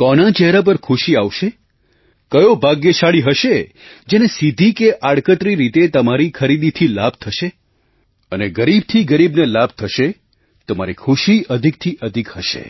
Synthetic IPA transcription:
kɔnat͡ʃɛɦɾap̬əɾkʰuʃiaʋʃe | kəjobʱaɡjeʃaɭiɦəʃe | d͡ʒenesid̪ʱikeʔaɽkət̪ɾiɾit̪et̪əmaɾikʰəɾid̪it̪ʰilab̚ʱt̪ʰəʃe | əneɡəɾib̚t̪ʰiɡəɾibnelab̚ʱt̪ʰəʃe | t̪əma̰ɾikʰuʃiʔəd̪ʱik̚t̪ʰiʔəd̪ʱikhəʃḛ

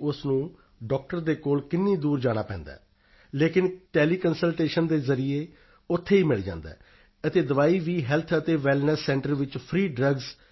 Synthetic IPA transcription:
ʊsnũː | ɖɔːk̚ʈəɾd̪eːkoːlkɪnːiːd̪uːɾd͡ʒaːɽ̃aːpɛ̰̃ːnd̪a̰ː | leːkɪnʈeːliːkənsəlʈeːʃənd̪eːzəɾieː | ʊt̪ʰːeːiːmɪɭd͡ʒã̰ːnd̪ɛ̰ː | ət̪eːd̪əʋaːiːʋiːɦɛːlt̪ʰət̪eːʋɛːlnəɾsːɛ̃ːɳʈəɾʋɪt͡ʃpʰɾiːɖɾəɡz

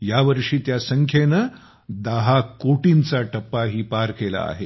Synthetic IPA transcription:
jaʋəɾʂiːt̪jasəŋkʰjenə | d̪əɦakoʈint͡saʈəpːaɦiːpaɾkela̰a̰ɦe

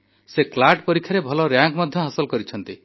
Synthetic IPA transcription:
seklaɾʈpɔɾikʰːjaɾebʱɔlɔɾjaŋkmɔd̪ʱjɔɦasɔlkɔɾit͡ʃʰɔnt̪i

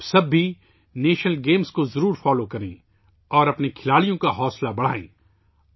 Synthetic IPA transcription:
sɐbːi | neːʃnəlɡeːmskozɐɾuːɾfaːlokɐɾḛ̃ː | ɔːɾɐpnekʰɪlaːɭijõkaɦɔːslabɐɽ̤a̰ːḛ̃ː

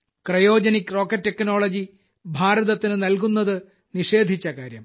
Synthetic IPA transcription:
krɐjo̞ːd͡ʑɐnikːro̞ːkːɐtːekːno̞ːɭɐd͡ʑi | bʱaːɾɐðɐt̪ːinɨnɐlk̬unːɐðɨ | niʂe̞ːd̪ʱit͡ɕːɐkaːɾjɐ̰m

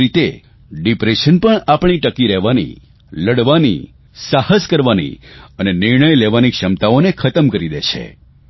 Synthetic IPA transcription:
ɾit̪e | ɖipɾeʃənpəɳapɳ̃iʈəkiɾɛɦʋanḭ | ləɽʋanḭ | sahəskəɾʋanḭənenɪɾɳəjleʋanikʃəmt̪aonekʰət̪əmkəɾid̪et͡ʃʰḛ

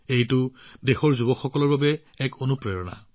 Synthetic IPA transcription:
ejtʊdexɔɹzubɔkxɔkɔlɔɹbabɛ | ɛkonupɹejɔna̰

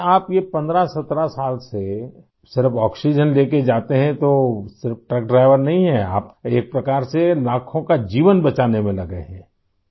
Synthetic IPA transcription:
aːpjepɐ̃nd̪ɾasɐt̪ɾasaːlse | sɪɾəfɔːksid͡ʒənleːked͡ʒaːt̪eɦɛ̃t̪osɪɾəfʈɾək̚ɖɾaːɪʋəɾnɐɦĩɦɛa̰ːpeːk̚pɾɐkaːɾselaːkʰõkad͡ʒiːʋənbɐt͡ʃaːnemẽlɐɡḛɦɛ̃ː

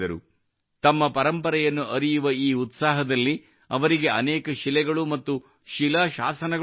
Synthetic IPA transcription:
ɐɾṵ | t̪ɐmːɐpɐɾɐmpɐɾɐjɐnːuʔɐɾijuʋɐiːut̪saːɦɐd̪ɐlːi | ɐʋɐɾiɡe̞ɐnɛːkɐʃilɛɡɐɭumɐt̪ːu | ʃilɐʃaːsɐnɐɡ

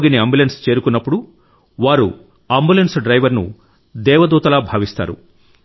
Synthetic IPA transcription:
ɡiniɐmbjulenst͡ʃe̞ːɾukunːɐpːuɽu | ʋaːɾṵ | ɐmbulensɖɾɐjʋɐɾnṵ | d̪ɛːʋɐd̪uːt̪ɐlaːbʱaːʋist̪a̰ːɾṵ

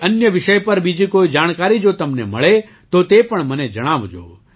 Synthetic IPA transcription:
ənjəʋɪʃəjpəɾbid͡ʒikoid͡ʒaːɽ̃kaɾid͡ʒoːt̪əmneməɭe | t̪ot̪epəɳməned͡ʒəɽ̃aːʋd͡ʒo̰ː

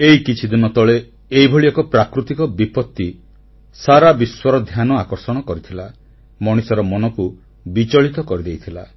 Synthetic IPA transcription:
eikit͡ʃʰid̪inɔt̪ɔɭeː | jbʱoɭiɔkɔpɾakɾut̪ikɔbipɔt̪ːi | saɾabiswɔɾɔd̪ʱjanɔakɔɾsɔɽ̃ɔkɔɾit̪ʰila | mɔɽ̃isɔɾɔmɔnɔku | bit͡ʃɔɭit̪ɔkɔɾid̪ejt̪ʰila̰

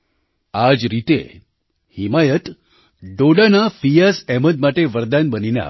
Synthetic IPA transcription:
ad͡ʒɾit̪ḛ | himajət̪ | ɖoɽanafijasɛməd̪̚maʈeʋəɾd̪anbəninja̰

